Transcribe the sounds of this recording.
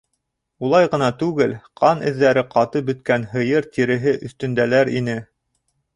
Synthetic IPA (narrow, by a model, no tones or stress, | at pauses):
ulˠɑjʁɤ̆nɑt̪ʉɡɘlqʰɑnʔɘ̆ðːæɾɘqʰɑt̪ɤbɵ̆t̪̚kænɦɤ̆jɤɾt̪iɾɘ̆ɦɘʔɵ̆θt̪ɵ̆nd̪ælæɾinɘ